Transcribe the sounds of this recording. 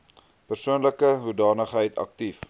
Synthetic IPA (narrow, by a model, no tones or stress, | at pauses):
pərsuənləkəɦudɑːnəχɦəjtʰɐ̰k̚tif